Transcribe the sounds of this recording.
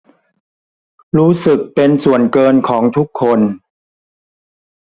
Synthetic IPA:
ɾuː˦˥sɯ˨˩k̚pe˧nsu˨˩ənkɤː˧nkʰɔː˩˦ŋt̪ʰu˦˥kʰːo˧n

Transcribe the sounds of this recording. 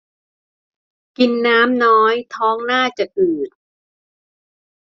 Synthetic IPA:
ki˧nːaː˦˥mnɔː˦˥jt̪ʰɔː˦˥ŋnaː˥˩t͡ɕa˨˩ʔɯː˨˩t̪̚

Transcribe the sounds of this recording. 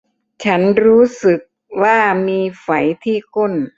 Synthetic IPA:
t͡ɕʰa˦˥nɾuː˦˥sɯ˨˩k̚ | waː˥˩miː˧fa˩˦jt̪ʰiː˥˩kʰo˥˩n

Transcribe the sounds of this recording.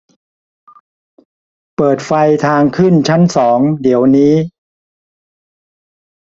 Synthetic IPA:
pɤː˨˩t̪̚fa˧jt̪ʰaː˧ŋkʰɯ˥˩nt͡ɕʰa˦˥nsɔː˩˦ŋdi˩˦əwniː˦˥

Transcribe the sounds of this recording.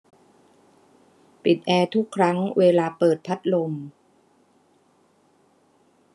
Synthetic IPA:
pi˨˩t̪̚ʔɛː˧t̪ʰu˦˥kʰːɾa˦˥ŋweː˧laː˧pɤː˨˩t̪̚pʰa˦˥t̪̚lo˧m

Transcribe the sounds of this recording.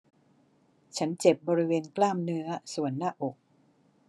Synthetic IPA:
t͡ɕʰa˦˥nt͡ɕe˨˩p̚bɔː˧ɾi˦˥weː˧nklaː˥˩mnɯ˦˥ɐsu˨˩˦ənːaː˥˩ʔo˨˩k̚

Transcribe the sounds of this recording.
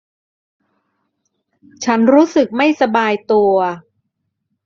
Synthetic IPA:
t͡ɕʰa˦˥nɾuː˦˥sɯ˨˩k̚ma˥˩jsa˧baː˧jt̪u˧ɐ

